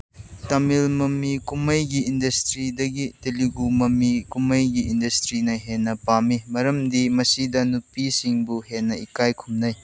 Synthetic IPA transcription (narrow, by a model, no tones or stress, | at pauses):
tɐmilmɐmikumɐjɡiːndɐstɾidɐɡiteliɡumɐmikumɐjɡiːndɐstɾinɐɦenːɐpamimɐɾɐmdimɐsidɐnupisiŋbuɦenːɐikajkʰumnɐj